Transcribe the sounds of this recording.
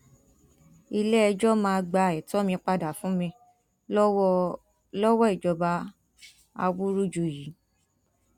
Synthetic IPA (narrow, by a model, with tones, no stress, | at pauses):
i˧lɛ˦ɛ˧d͡ʒɔ˦mãː˧ɡ͡ba˧˨ɛ˨tɔ˦mĩ˧k͡pa˧da˨fũ˦mĩ˧ | lɔ˦wɔ˦i˦˨d͡ʒɔ˨˧ba˦ | a̰˧wu˦ɾu˦d͡ʒu˨ji˨˦